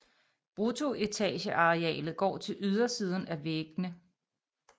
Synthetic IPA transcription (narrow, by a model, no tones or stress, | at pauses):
b̥ʁut͡sʰo̝ʔe̝t͡sʰɛ̰ːɕəʔɑ̈ʁeɛ̰ːlð̩ˠɡ̥ɒ̰ːt͡sʰe̝lʔyð̞ˠɐsiːð̞ˠən̩æʋeɡ̥nə